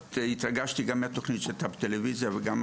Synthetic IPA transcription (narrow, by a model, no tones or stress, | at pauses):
t̪it̪ɾɐɡaʃt̪iɡamɛt̪oxnit͡ʃɛt̪apt̪ɛlevizijɐvɡam